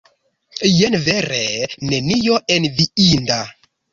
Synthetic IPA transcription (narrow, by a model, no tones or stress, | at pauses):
jenveɾenenijoʔenviinda